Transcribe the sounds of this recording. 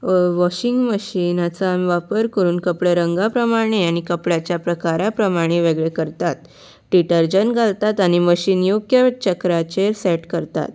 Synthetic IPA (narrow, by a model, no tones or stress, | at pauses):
ʋɔɕiŋɡməɕinat͡saʋapəɾkəɾuːnkəpɽəɾəŋɡapɾəmaɽ̃eaɽ̃ikəpɽjat͡ɕjapɾəkaɾapɾəmaɽ̃eʋeɡɭekəɾt̪at̪ | ʈiʈəɾd͡ʑənɡʱalt̪at̪aɽ̃iməɕiːnjoɡjət͡ɕəkɾat͡ɕeɾsɛʈkəɾt̪a̰t̪